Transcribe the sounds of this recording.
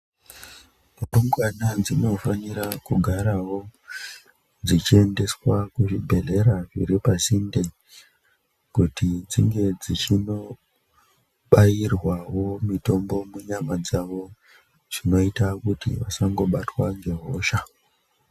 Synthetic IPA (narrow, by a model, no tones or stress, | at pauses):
oŋɡwanad͡zino̞fanirakuɡʱaɾawo̞ | d͡zit͡ʃie̞nde̞swakuʐibʱe̞ɮe̞ɾaʐḭɾipasinde̞ | kutid͡ziŋɡe̞d͡zit͡ʃino̞ | ɓajirwawo̞mito̞mbo̞muɲamad͡zaʋo̞ | ʐ̥ino̞itakutḭʋasaŋɡo̞ɓatwaŋɡe̞ɦo̞ːʃa